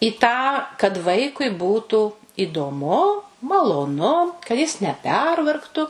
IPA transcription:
ɪ tɑː kɐt ˈʋɐɪkʊɪ ˈbuːtuː ɪdoːˈmʊ mɐlˠoːˈnʊ kɐ jɪs nʲɛˈpʲɛrʋɐrktʊ

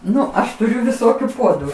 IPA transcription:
ˈnʊ ˈɐʃ tʊˈrʲʊ ʋʲɪˈsoːkʲʊ ˈpuɔdʊ

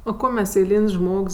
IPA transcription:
oː ˈkoː mʲɛs ɛɪˈlʲiːnʲsʲ ˈʒmoːks

